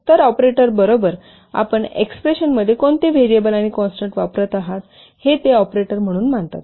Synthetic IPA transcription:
t̪əɾɔpɾeʈəɾbəɾobəɾ | a̰pəɳḛkspɾeɕənməd̪ʱːjekoɳt̪eʋeɾiəbəlaɽ̃ikɔ̃nsʈəɳʈʋapɾət̪aɦat̪ | het̪eɔpɾeʈəɾm̤əɽ̃uːnmaɳt̪a̰t̪

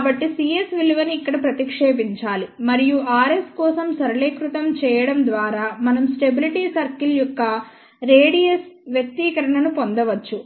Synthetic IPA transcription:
kabɐʈːisiːesʋilʋɐniːkːɐɽɐpɾɐt̪ikʂeːbiɲt͡ʃaːlimɐɾijuʔaːɾeskɔːsɐmsɐɾɐɭeːkɾut̪ɐmt͡ʃɛːjɐɽɐmd̪ʋaːɾaːmɐnɐmsʈe̞biliʈiːsɐɾkiljɔkːɐ | ɾeːɽijesʋjɐk̚t̪iːkɐɾɐɳɐnupond̪ɐʋɐt͡ʃːu

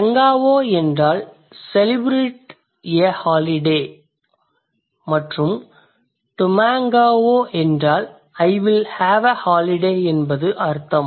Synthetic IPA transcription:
t̪ɐŋɡaːʋoːɛndraːl | sɛlɪbɾeːʈ | ɪɐhaːlɪɖeː | mɐʈrɯm | ʈ̪ʊmaːŋɡaːʋoːʔɛndraːl | ɐɪʋɪlhaːʋɐhaːlɪɖeːɛnbɐðɯʔɐɾt̪ːɐm

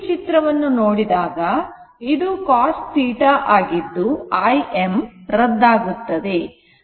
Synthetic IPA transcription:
t͡ʃit̪ɾɐʋɐnːunoːɽid̪aːɡɐ | id̪ukaːsʈsiːʈaʔaːɡid̪ːuɐjemɾɐd̪ːaːɡut̪ːɐd̪e̞

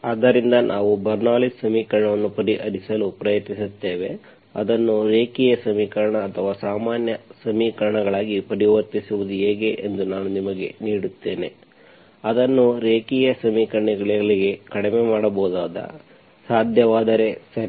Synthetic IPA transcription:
aːd̪ːɐɾind̪ɐnʔaːʋubɐɾnaːlissɐmiːkɐɾɐɳɐʋɐnːupɐɾiʔɐɾisɐlupɾɐjɐt̪nisut̪ːe̞ːʋe̞ | ɐ̰d̪ɐnːuɾeːkijɐsɐmiːkɐɾɐɳɐːt̪ʰɐʋaːsaːmaːnjɐsɐmiːkɐɾɐɳɐɡɐɭaːɡipɐɾiʋɐɾt̪isuʋud̪ueːɡe̞ʔend̪unaːnunimɐɡe̞̰niːɽut̪ːe̞ːne̞ | ɐd̪ɐnːuɾeːkijɐsɐmiːkɐɾɐɳiɡɐɭiɡɐɭiɡe̞kɐɽemeːmaːɽɐbɔːd̪aːd̪ɐ̰ | saːd̪ʱjɐʋaːd̪ɐɾe̞sɐɾi

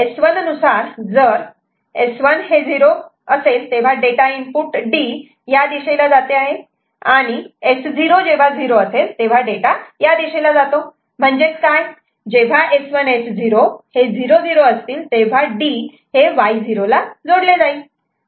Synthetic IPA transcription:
esʋənənusaɾd͡zəɾ | esʋənɦed͡ziɾoəselt̪eʋ̤aɖeʈaimpuʈɖi | jad̪iɕelad͡zat̪eaɦe | aɽ̃iesd͡ziɾod͡ʑeʋ̤ad͡ziɾoəselt̪eʋ̤aɖeʈajad̪iɕelad͡zat̪o | m̤əɳd͡ʑekaj | d͡ʑeʋ̤aʔesʋənesd͡ziɾohed͡ziɾod͡ziɾoəst̪iːlt̪eʋ̤aɖi | heʋaid͡ziɾolad͡zoɽled͡zai

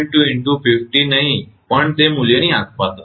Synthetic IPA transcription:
ɳʈuɪɳʈupʰɪfʈinəɦĩpəɳt̪emuljənĩakpat̪

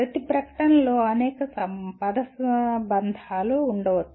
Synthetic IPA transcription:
ɾɐt̪ipɾɐkɐ̥ʈɐnɐlo̞ːɐnɛːkɐsɐpɐd̪ɐsbɐnd̪ʱaːluːɳɖɐʋɐ

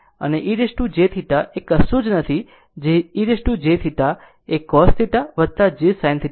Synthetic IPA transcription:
ə̰neʔiɾeʃʈũd͡ʒet̪ʰit̪aʔekəsud͡ʒnət̪ʰi | d͡ʒeiɾesʈũd͡ʒet̪ʰit̪a | ekːɔst̪ʰit̪aʋət̪ad͡ʒesajnt̪ʰit

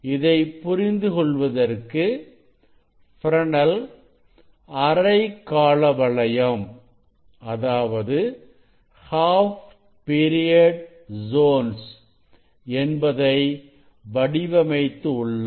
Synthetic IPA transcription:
ɪðɐɪpʊɾɪnd̪ɯkɔɭʋɐðɐrkɯ | fɪɾɐɳɐl | ɐɾɐɪkːaːɭɐʋɐɭɐjɐm | ʔɐðaːʋɐðɯ | haːf | piːɾɪjɐɖ | zoːns | ɛnbɐðɐɪ | ʋɐɽɪʋɐmɐɪt̪ːɯʊɭːɐ

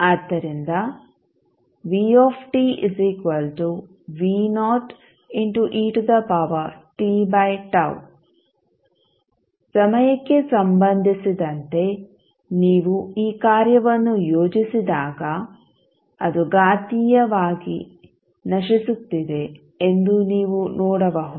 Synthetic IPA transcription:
aːd̪ːɐɾind̪ɐ | ʋiːɔːpʰʈiiziːkʋɐlʈu | ʋiːnɔːʈ | iɳʈuʔiːʈd̪ɐpɐːʋɐɾʈiːbɐjʈɐ̰w | sɐmɐjɐkːe̞sɐmbɐnd̪ʱisid̪ɐnt̪e̞ | niːʋuiːkaːɾjɐʋɐnːujoːd͡ʒisid̪aːɡɐ | ɐd̪uɡaːt̪ijɐʋaːɡḭ | nɐʃisut̪ːid̪e̞ː | nd̪uniːʋunɔːɽɐʋɐɦu

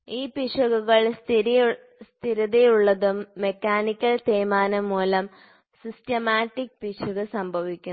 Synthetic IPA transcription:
iːpiʂɐɣuɣɐɭ | st̪ʰiɾɐðejuɭːɐðumːe̞kʲːaːnikʲːɐlt̪eːmaːnɐmːuːlɐm | sistɐmaːʈːik̚piʂuɣɨsɐmbʱɐʋikʲːu

